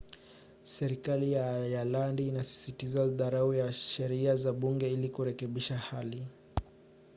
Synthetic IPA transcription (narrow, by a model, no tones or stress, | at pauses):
sɛɾikalijajalandiːnasi̥sitizaðaɾaujaʃɛɾiazaɓuŋɡɛilikuɾɛkɛɓiʃahali